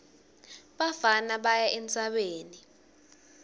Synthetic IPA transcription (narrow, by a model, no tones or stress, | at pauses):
ɓavanaɓajaʔɛnt͡sʼaɓeːni